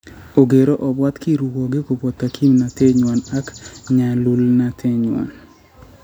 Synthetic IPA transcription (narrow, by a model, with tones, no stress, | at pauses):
o˨ɡe˨ɾo˦ʔɔ˨bwa˦t̪ki˦ɾu˨wɔ˨ɡɪ˦ko˨bwɔ˨t̪ːa˨kʰi˦mna˨t̪e˦ɲwa˨na˦kɲa˨lu˦lna˨t̪ʰe˦ɲwa̰˨n